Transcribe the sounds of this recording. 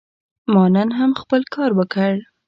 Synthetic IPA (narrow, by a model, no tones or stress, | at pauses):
mɑnanɦamxpəlkʰɑɾwəkəɽ